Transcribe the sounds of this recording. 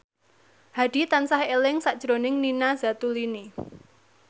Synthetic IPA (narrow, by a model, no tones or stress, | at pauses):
had̥i̤t̪ansahelɪŋsaʔd̥ʒ̥ɾo̤nɪŋninaza̤t̪ulini